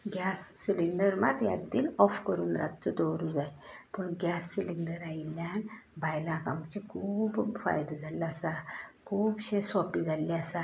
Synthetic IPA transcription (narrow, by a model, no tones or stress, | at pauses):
ɡjasːiliɳɖəɾmat̪ja̰t̪d̪iːlɔfkəɾuːnɾʔa̰t̪t͡səd̪ɔɾud͡zajpəɳɡʲasːiliɳɖəɾailjan | bʱajlãkamt͡ɕekʰuːbfa̰jd̪ad͡zʱalaːsakʰuːbɕẽsɔpid͡zʱalːiasa